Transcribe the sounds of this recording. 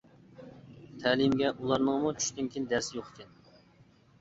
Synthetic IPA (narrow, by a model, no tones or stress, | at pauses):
t̪ʰɛlɨmɡʲɛʔulˠɑɾnəŋmut͡ʃʰy̥ʃt̪ɪnkʲʰind̪æɾsɪjoχkʲɛn